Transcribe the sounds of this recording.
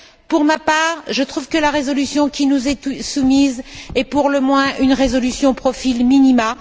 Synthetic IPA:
puʁmapaːʁʒət̪χuvkəlaʁezɔlysjɔ̃kʲinuzɛt̪usumizɛpuʁləmwɛ̃ʔynʁezɔlysjɔ̃pχɔfilminima

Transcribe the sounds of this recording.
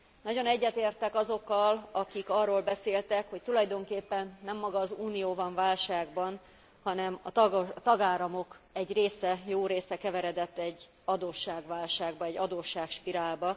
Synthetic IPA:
nɒɟo̞nɛɟːɛt̪eːrt̪ɛkɒzo̞kːɒlɒkikɒrːoːlbɛseːlt̪ɛkho̞ct̪ulɒjd̪o̞ŋkeːpːɛnːɛmːɒɡɒːzuːnijoːbɒɱvaːlʃaːɡbɒn | hɒnɛmɒt̪ɒɡaːlɒmo̞kɛɟreːsɛjoːɾeːsɛkɛvɛɾɛd̪ɛt̪ːɛɟː | ɒd̪oːʃːaːɡʋaːlʃaːɡbɒɛɟːɒd̪oːʃːaːkʃpiɾaːlbɒ

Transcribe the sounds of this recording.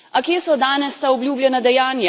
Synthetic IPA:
akjeːsɔd̪aːnɛst̪aɔbljuːbljɛnad̪ɛjaːnja

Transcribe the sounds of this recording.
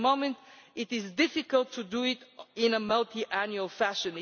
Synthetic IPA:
mõʊ̃mɛ̃nt̪ɪt̪ɪzdɪfɪkəlˠt̪ʰːud̪uɪt̪ɪ̃nəmʌlˠt̪ʰiʔænjuəlˠfæʃɨ̃n

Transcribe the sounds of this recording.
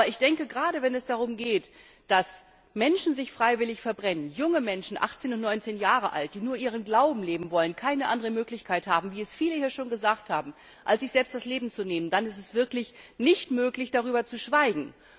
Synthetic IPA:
ɐɪçd̥ɛŋkəɡʁaːɾəvɛnɛsd̥aʁ̞ʊmɡeːt | d̥as | mɛnʃn̩zɪçfʁ̥aɪvɪlɪçfɛɐbʁɛnənjʊŋəmɛnʃn̩ʔa̰χt͡seːnʊntnɔʏnt͡seːnjaːʁ̞əʔa̰lt̚d̥iːnuːɐʔiːʁ̞ənɡlaʊbm̩leːbm̩vɔlənkʰaɪnəʔandəʁəmøːklɪçkʰaɪthaːbm̩viːɛsfiːləhiːɐʃoːnɡəzaːkthaːbm̩ | ʔalsz̥ɪçz̥ɛlpstd̥asleːbm̩t͡suneːməndanɪstɛsv̥ɪɐklɪçnɪçtmøːklɪçd̥aʁ̞yːbɐt͡suʃv̥aɪɡŋ̩

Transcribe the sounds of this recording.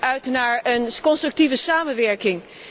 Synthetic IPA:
œɥtnaːɹənkɔnstrɵk̚tivəsaːmənʋɛɹkɪŋ

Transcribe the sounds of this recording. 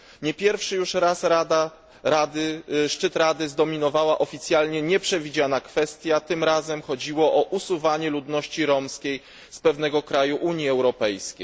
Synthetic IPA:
ɲɛpʲjɛɾfʂɘjuʂɾasɾad̪a | ad̪ɘʂt͡ʂɘt̪ɾad̪ɘzd̪ɔmʲinɔvawaʔɔfʲit̪sʲjalɲɛɲɛpʂɛvʲid͡ʑanakfɛst̪ʲjat̪ɘmɾazɛmxɔd͡ʑiwɔʔɔʔusuvaɲɛlud̪nɔɕt͡ɕiɾɔmskʲej | spɛvn̪ɛɡɔkɾajuʔuɲjiɛwɾɔpɛjskʲḛj

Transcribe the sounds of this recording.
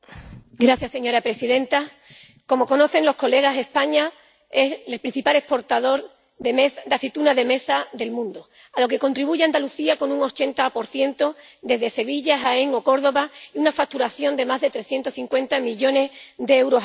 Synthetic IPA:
ɡɾaθjasːe̞ɲoɾapɾe̞siðẽ̞nt̪a | ko̞mo̞ko̞no̞θe̞ŋlo̞hko̞le̞ɣ̞ase̞hpaɲa | eselpɾĩn̟θipale̞hpo̞ɾt̪aðo̞ɾ | ðemesd̪aθit̪unaðe̞me̞saðe̞lmũnd̪o | alo̞ke̞ko̞nt̪ɾiβuʝeand̪aluθiako̞nuŋo̞t͡ʃe̞nt̪apo̞ɾθje̞nt̪o̞ | d̪e̞zðe̞se̞βiʎaɦaeŋo̞ko̞ɾðo̞βaiunafak̚t̪uɾaθjo̞nd̪e̞mazðe̞t̪ɾeθje̞nt̪osθiŋkwe̞nt̪amiʝo̞ne̞zdeewɾo̞s

